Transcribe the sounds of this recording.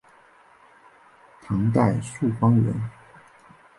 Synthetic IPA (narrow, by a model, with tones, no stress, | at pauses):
t̪ʰɑ˧˥ŋt̪a˥˧ɪʂu˥˩fɑ˥ŋɥə̰˧˥n